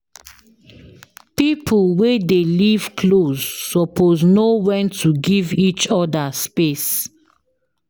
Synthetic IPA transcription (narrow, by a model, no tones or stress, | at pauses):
pipʰulwedeliv̥kʰlozːɔpʰoznowɛ̃ntʰuɡivit͡ʃɔdaspes